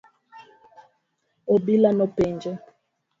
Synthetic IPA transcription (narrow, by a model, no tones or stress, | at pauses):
obilanɔpɛnd͡ʒɛ